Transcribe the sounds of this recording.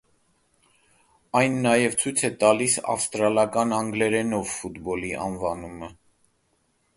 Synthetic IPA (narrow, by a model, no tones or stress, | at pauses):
ɑjnːɑjɛvt͡sʰujt͡sʰɛt̪ɑlisɑ̰fst̪ɾɑlɑkɑnɑŋɡlɛɾɛnɔvfut̪bɔliʔɑ̰nvɑnumə